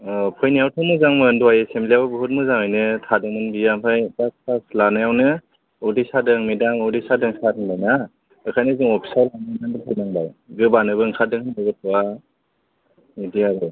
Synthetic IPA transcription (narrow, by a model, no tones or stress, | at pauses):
ɔpʰɔjnijawtʰɯŋmɯzaŋmɯnduwajesemblijawɯbɯɦut̚mɯzaŋɯjnɯtʰadɯŋmɯnbiampʰajtak̚pʰaslanɯjawnɯ | ɔwdisadɯŋmidaŋɯwdisadɯŋsaɾɯŋbajna | ɯkʰajnɯzɯŋɔpʰi̥salananandɯpʰɯjnaŋbajɡɯbanɯbɯŋkʰadɯŋhɯnɯbɯtʰɔwa | idijabɯ